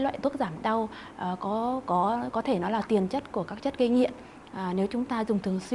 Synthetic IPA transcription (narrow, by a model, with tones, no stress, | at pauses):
lwa̰ː˧˨t̪u˦˥ək̚zaː˧˩mɗa˧w | ʔːkɔ˨˦kɔ˨˦kɔ˨˦t̪ʰe˧˩nɔ˨˦laː˨˩t̪i˨˩ənt͡ɕə˦˥t̚ku˧˩əkaː˦˥k̚t͡ɕə˦˥t̚ki˧ŋḭ˧˨ənː˨˩ | ne˨˦wt͡ɕʊ˨˦ŋ͡mt̪aː˧zʊ˨˩ŋ͡mt̪ʰɨ˨˩əŋswi˧